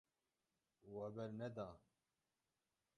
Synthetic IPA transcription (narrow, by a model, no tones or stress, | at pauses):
wɛbɛɾnɛd̪aː